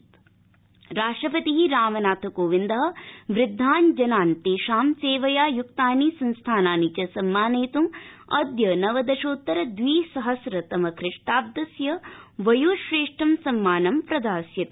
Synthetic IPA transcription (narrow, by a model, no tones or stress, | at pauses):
ɾaːʂʈɾɐpɐt̪iɦiɾaːmɐnaːt̪ʰɐkoːʋind̪ɐɦɐ̆ʋɾɪd̪ʱːaːnd͡ʒɐnaːnt̪iʃaːmseːʋɐjaːjuk̚t̪aːnisɐnst̪ʰaːnaːnit͡ʃɐsɐmːaːneːt̪umɐd̪jɐnɐʋɐd̪ɐʃoːt̪ːɐɾɐd̪ʋiːsɐɦɐsɾɐt̪ɐmɐkʰɾɪʂʈaːb̚d̪ɐsjɐʋɐjuʃɾeːʂʈɐmsɐmːaːnɐmpɾɐd̪aːsjɐt̪